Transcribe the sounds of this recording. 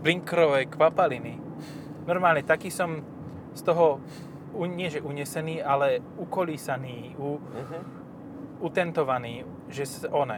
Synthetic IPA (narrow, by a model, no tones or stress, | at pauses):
bliŋkɾɔʋɛjkʋapalini | nɔɾmaːlɲɛt̪akiːsɔm | st̪ɔɦɔ | uɲɪɛʒɛʔuɲɛsɛniːalɛ | ukɔliːsaniːu | ut̪ɛnt̪ɔʋaniː | ʒɛsʔɔnɛ